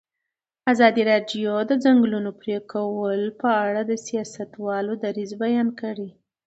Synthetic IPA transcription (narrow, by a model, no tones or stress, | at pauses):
azɑd̪iɾɑɖjod̪əd͡zaŋɡlunopɾekawəlpəaɽad̪əsijɑsat̪wɑlod̪aɾizbajɑnkaɽi